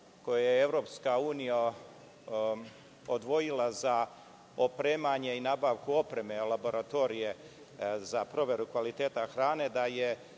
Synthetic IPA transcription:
ko̞jajeeʋɾo̞ːpskauːnija | od̪ʋo̞jilˠaza | opɾeːmaɲe̞inaːbaːʋkuo̞pɾe̞me̞labo̞ɾat̪o̞ɾije̞ | zapɾo̞ʋe̞ɾukʋalit̪eːt̪axɾaːne̞d̪aje̞

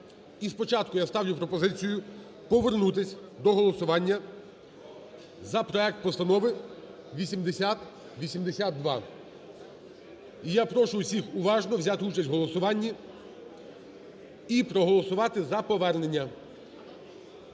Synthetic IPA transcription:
ispɔt͡ʃɑt̪kʊjast̪ɑʋlʲʊpɾɔpɔzɪt͡sʲijʊ | pɔʋernut̪ɪsʲd̪ɔɦɔlˠɔsʊʋɑnʲːɐ | zɐpɾɔɛk̚t̪̚pɔst̪ɐnɔʋɪ | ʋʲisʲimd̪esʲat̪ | ʋʲisʲimd̪esʲad̪̚d̪ːʋɑ | ijapɾɔʃʊʊsʲixʊʋɑʒnɔwzʲat̪ɪut͡ʃɐsʲtʲɦɔlˠɔsʊʋɑnʲːi | ipɾɔɦɔlˠɔsʊʋɑt̪ɪzɐpɔʋɛrnenʲːɐ

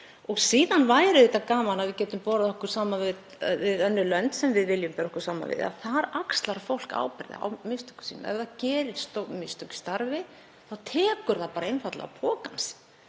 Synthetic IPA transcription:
ɔɣsiːðanvaːjɾɪðeːt̪akaːmanaðvɪcɛːt̪ʏmpɔːɾaðɔhkʏɾ̥saːmavɪð | vɪðœnːʏlœnt̪sɛmvɪðvɪljʏmpɛːɾɔhkʏɾ̥saːma̰vɪ̰ða̰θaɾakst̪laɾfowl̥ka̰ːwpɪɾða̰a̰wmɪst̪œ̥kʏ̥siːnːmɛ̰vðacɛːɾɪɾ̥st̪omɪst̪ɔkʏ̥st̪aɾvɪ | θawt̪ʰɛːkʏɾðapaːɾaenfat̪la̰ɣa̰pʰɔːkans

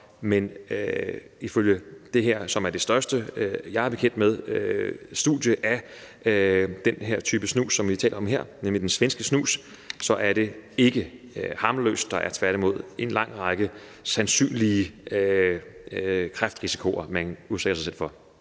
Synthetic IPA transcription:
menø | iføljəd̥e̝ɦeɐ̰sɒ̽mæɐd̥e̝sd̥ɶɐsd̥əjɑ̈ɪæɐb̥e̝kʰen̰d̥með̞ˠøsd̥uðˠjəʔæ | d̥enɦeɐ̰t͡sʰyːb̥əsnṵːsːɒ̽mʋit͡sʰɛ̰ːlɐɒ̽mɦe̝ɐ̰nemlid̥ensʋensɡ̥əsnṵːs | sɒ̽ʔæɐɾ̥e̝e̝ɡ̥ə | hɑ̈mlø̰ːsd̥ːɑ̈ʔæɐt͡sʰʋæɐɾimo̝ð̞̰ˠe̝nlɑ̈ŋ̰ʁɑ̈ɡ̥ə | sænsy̰ːnliə | kʰʁafd̥ʁisi̥kʰo̝ɐmænuðˠseɡ̥ɐsɑ̈sel̰fɒ̽

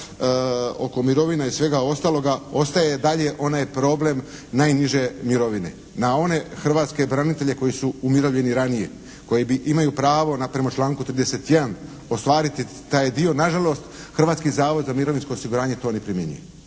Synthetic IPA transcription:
o̞̰ko̞miɾo̞ʋinaisʋe̞ɡao̞st̪aːlo̞ɡao̞st̪aje̞d̪aʎe̞ʔo̞najpɾo̞ːble̞m | najniʒe̞miɾo̞ʋine̞̰ | nao̞ne̞xr̩ʋaːt̪ske̞bɾanit̪e̞ʎe̞ko̞jisuumiɾoʋʎe̞niɾanije̞̰ | ko̞jibiʔimajupɾaːʋo̞napɾemat͡ʃlˠaːŋkut̪ɾiːd̪eset̪jed̪an | o̞st̪ʋaːɾit̪i | t̪aːjd̪io̞naʒalˠo̞st̪ | xr̩ʋaːt̪kizaːʋo̞d̪zamiɾo̞ʋinsko̞ːsiɡuɾaːɲe̞t̪onepɾimjeɲṵjḛ

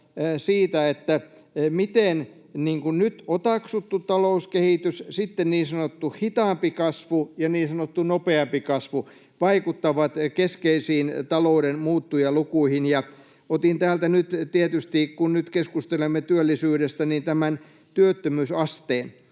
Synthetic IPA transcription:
siːt̪æet̪ːæ | mit̪en | niːŋkunnyt̪ot̪ɑksut̪ːut̪ɑlouskehit̪yssit̪ːenniːnsɑnot̪ːuhit̪ɑːˑmpikɑsʋujɑniːnsɑnot̪ːunopeɑmpikɑsʋu | ʋɑikut̪ːɑʋɑt̪keskeisiːnt̪ɑlouɾenmuːt̪ːujɑlukuihinjɑ | ot̪int̪æːlt̪ænyt̪t̪iet̪yst̪ikunnyt̪keskust̪elemːet̪yølːisyːɾest̪ænint̪æmæn | t̪yøt̪ːømyːsɑst̪eːn

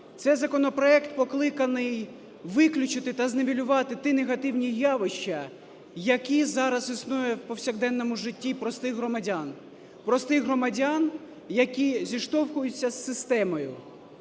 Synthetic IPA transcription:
t̪sɛjzɐkɔnɔpɾɔɛkt̪pɔklˠɪkɐnɪj | ʋɪklʲʊt͡ʃɪt̪ɪt̪ɐzneʋʲilʲʊʋɑt̪ɪt̪ɪneɦɐt̪ɪwnʲijɑʋɪʃt͡ʃːɐ | jɐkʲizɑɾɐzisnujɛwpɔwsʲɐɣd̪ɛnːɔmʊʒɪtʲːipɾɔst̪ɪxɦɾɔmɐdʲan | pɾɔst̪ɪxɦɾɔmɐdʲan | jɐkʲizʲiʃt̪ɔwxʊjʊt͡sʲːɐsːɪst̪ɛmɔjʊ

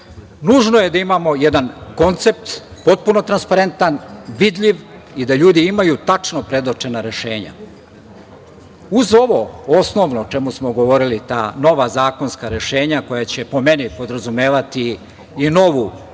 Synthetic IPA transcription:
nuʒnoje̞d̪aimaːmo̞jed̪anko̞nt̪se̞p̚t̪po̞t̪̚puno̞t̪ɾanspaɾe̞nt̪anʋid̪ʎiʋ | id̪aʎuːd̪iimajut̪at͡ʂnopɾe̞d̪ot͡ʃe̞naɾe̞ʃe̞ːɲa̰ | uzo̞ʋo̞osno̞ʋnot͡ʃe̞musmo̞ɡo̞ʋo̞ɾilit̪aːno̞ʋazaːko̞nskaɾe̞ʃe̞ːɲako̞jat͡ɕe̞po̞me̞nipo̞d̪ɾazume̞ːʋat̪iː | no̞ʋu

